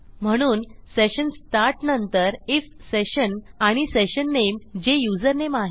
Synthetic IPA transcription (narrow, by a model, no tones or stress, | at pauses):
m̤əɽ̃uːnseɕənsʈ̪aɾʈnənt̪əɾefseɕənaɽ̃iseɕənːemd͡ʑejud͡zəɾnemaɦ